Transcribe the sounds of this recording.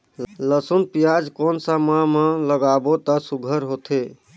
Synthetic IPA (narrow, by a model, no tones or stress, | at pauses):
ləsunpijad͡ʒkonsamãmãləɡabot̪əsuɡʱəɾɦot̪ʰe